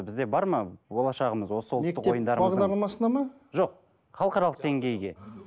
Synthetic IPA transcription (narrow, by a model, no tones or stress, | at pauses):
bɪzd̪e̞bɑɾmɑbo̞lˠɑʃɑʁəməzwo̞səwlˠmteːəeo̞jənd̪ɑɾɑʁd̪ɑɾlˠɑmɑsənɑmɑ | ʒo̞q̚ | χɑlˠqɑɾɑlˠəqd̪e̞ŋɡʲe̞jɡʲe̞̰